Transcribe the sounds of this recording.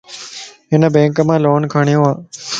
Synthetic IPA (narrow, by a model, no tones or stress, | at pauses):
ɦɪnəbẽːŋkəmãːloːnkʰaːɳijõaː